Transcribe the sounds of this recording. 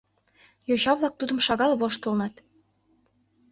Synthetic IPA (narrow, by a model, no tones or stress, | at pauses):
joɕɑβlˠɑk̚t̪ud̪ɤ̆mʃɑɣɑlˠβoʃt̪ɤ̆lˠnɑt̪